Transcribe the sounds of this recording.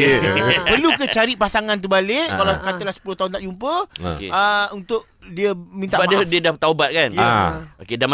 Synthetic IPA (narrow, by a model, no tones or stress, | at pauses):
pərlukət͡ʃaɾiʔpasaŋãnt̪̬ubalɪʔkalakat̪əlahsə̥puloht̪aɦʊnt̪aʔd͡ʒumpəo̰kḛəunt̪ʊʔ | diəmĩnt̪aʔaddiədahpt̪awbat̪̚kanjokedam